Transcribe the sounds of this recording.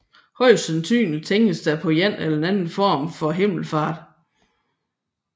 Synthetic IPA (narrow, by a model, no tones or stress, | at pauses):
hɒ̽ɪ̰sønt͡sʰy̰ːnt͡sʰeŋɡ̥əsd̥æpʰɒ̽jæn̰elɐenænn̩fɒ̰ːmfɒ̽ɦe̝m̰l̩fɑ̈ːd̥